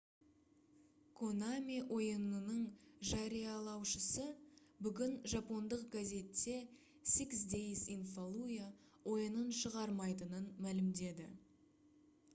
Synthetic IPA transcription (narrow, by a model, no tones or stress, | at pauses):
kʰo̞namʲiwʔo̞jənənəɴʒɑɾijɑlˠɑwʃəsəbʏɡʲɪnʒɑpo̞nd̪əq̚ɡaze̞t̪ːe̞ | siksd̪ejsinfolˠuja | wo̞jənənʃəʁɑɾmɑjt̪ənənmælɪmd̪e̞d̪ɪ̰